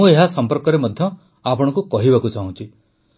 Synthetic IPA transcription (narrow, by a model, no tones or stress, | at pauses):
ũeɦasɔmpɔɾkɔɾemɔd̪ʱjɔ | apɔɽ̃ɔ̃ŋkukɔɦibakut͡ʃaɦũt͡ʃʰi